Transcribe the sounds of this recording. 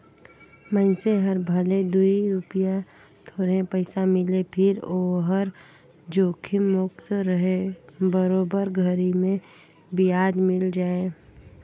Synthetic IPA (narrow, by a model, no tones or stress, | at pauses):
mə̃nseɦəɾbʱəled̪uiɾʊpja | t̪ʰoːɾẽpəɪsamɪlepʰɪɾoːɦəɾ | d͡ʒoːkʰɪmʊkt̪ɾəɦebəɾoːbəɾɡʱəɾimẽ | bɪjaːd̪mɪld͡ʒaːe